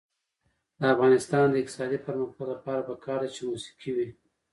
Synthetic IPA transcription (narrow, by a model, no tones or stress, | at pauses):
d̪əafɣɑnɪst̪ɑnd̪əɪq̚t̪ɪ̥sɑd̪ipəɾməxt̪olapɑɾabakɑɾd̪at͡ʃemusi̥qʰiwi